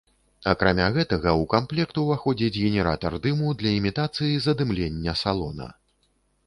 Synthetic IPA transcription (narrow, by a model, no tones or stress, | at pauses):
ɐkɾamʲaɣɛt̪ɐɣɐwkamplʲɛkt̪uvaxɔd͡zʲid͡zʲɣʲɛnʲɛɾa̰t̪ɐrd̪ɨmud̪lʲɐimʲit̪at̪sɨjizɐd̪ɨmlʲenʲːɐsalˠɔ̰nɐ̰